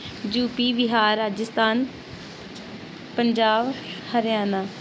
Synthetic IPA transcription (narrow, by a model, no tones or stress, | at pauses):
d͡ʒuːpiːʋɪɦaːɾːaːd͡ʒəst̪aːn | pəɲd͡ʒaːʋhəɾjaːnaː